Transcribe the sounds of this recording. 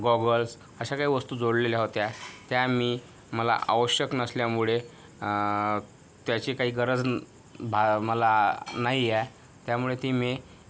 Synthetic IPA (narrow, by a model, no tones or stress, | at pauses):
ɡɔɡəls | əɕakaɦiːʋəst̪uːd͡zoɽlelaɦot̪jat̪jamiː | məla̰ʔa̰ʋəɕjəknəsljamuɭe | t̪jat͡ɕiːkaɦiːɡəɾəd͡z | bʱaməlanaɦiɛ | t̪jamuɭet̪iːme